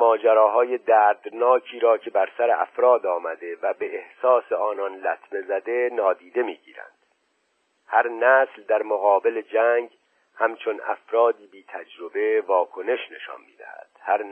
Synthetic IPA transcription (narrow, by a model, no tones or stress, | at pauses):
mɒːd͡ʒæɾɒːɦɒːje̞d̪æːɾd̪nɒːcʰiːɾɒːcʰe̞bæɾsæɾeʔæ̰fɾɒːd̪ɒːmæd̪e̞væbe̞ehsɒːseɒːnɒnlæt̪ʰme̞zæd̪e̞nɒːd̪iːd̪e̞miːɟḭːɾæ̰nd̪̥ | hæɾnæːsld̪æɾmoɣɒːbe̞led͡ʒæŋɡ | hæmt͡ʃʰo̞næ̰fɾɒːd̪iːbiːt̪ʰæd͡ʒɾobe̞vɒːkʰo̞ne̞ʃne̞ʃɒ̰nmiːd̪æ̰hæ̰d̪̥hæɾ